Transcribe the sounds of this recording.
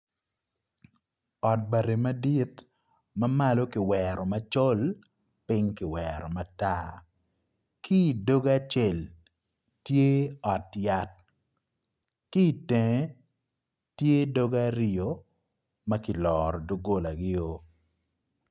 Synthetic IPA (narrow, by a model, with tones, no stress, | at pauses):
ɔ˨t̚ba˨ɾe˨mɐ˦di˦t | mɐ˦ma˦lo˦kɪ˨wɛɾɔ˨mɐ˦t͡ʃo˦l | pɪ˦ŋkɪ˨wɛɾɔ˨ma˨ta˦ | kʰi˦˨do˦ɡa˦t͡ʃe˨l | tje˦ɔ˨tja˦t̚ | ki˦˨tɛ˨ŋ˦ | tje˦do˦ɡa˦ɾɪo˨ | mɐ˦kɪ˨lɔː˨ɾɔ˨do˦ɡo˦la˨ɡɪ˦o˦